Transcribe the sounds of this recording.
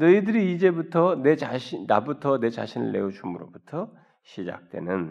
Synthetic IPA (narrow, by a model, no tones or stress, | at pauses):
nɯidɯɾiːd͡ʑe̞butʰʌneaɕina̰butʰʌne̞t͡ɕa̰ɕʰinɯ̰ɭːe̞̰ut͡ɕumuɾobutʰʌ | ɕʰid͡ʑa̰k̚t͈we̞̰nɯn